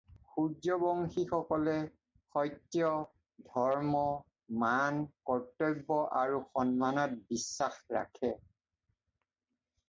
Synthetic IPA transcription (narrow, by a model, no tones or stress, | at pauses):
xud͡ʒɔbɔŋxixɔkɔlɛ | xɔjtːjɔ | dʱɔɹmɔ | mankɔɹtːɔjbːɔʔaɹuxɔnmanɔt̚bisːaxɹa̰kʰɛ